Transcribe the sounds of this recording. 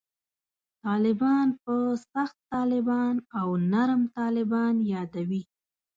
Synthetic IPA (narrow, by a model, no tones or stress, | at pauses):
t̪ɑlɪbɑnpəsaxt̪ːɑlɪbɑnawnaɾmt̪ɑlɪbɑnjɑd̪awi